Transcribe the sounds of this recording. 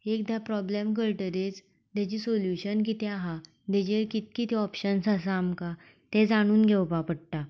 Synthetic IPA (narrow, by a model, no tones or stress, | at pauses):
ek̚d̪ʱapɾɔblemk̬əɭʈəɾet͡s | t̪jat͡ɕiːsoljuɕənkit̪ɛaɦa | d̪ed͡ʑekit̪̚kit̪iɔpɕənsəs̬aːmka | t̪ɛ̃d͡zaɽ̃uːnɡʱeʋpapəɽ̚t̪a